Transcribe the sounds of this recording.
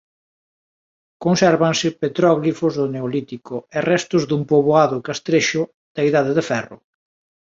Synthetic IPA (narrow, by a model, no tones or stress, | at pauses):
konsɛɾβansɪpet̪ɾɔɣlifʊzðʊneolit̪ikʊɛrɛst̪ʊzðumpoβoaðʊkast̪ɾeʃʊ | d̪̥aiðaðɪðɪfɛrʊ̰